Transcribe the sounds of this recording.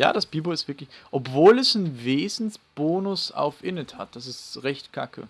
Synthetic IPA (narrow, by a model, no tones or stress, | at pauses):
ja̰ːdasb̥iːboɪstv̥ɪɐklɪçʔɔpv̥oːlɛsnveːzn̩sb̥oːnʊsa̰ʊfʔɪnɛtha̰t̚d̥as̬ɪstʁɛçtkʰa̰kʰə̰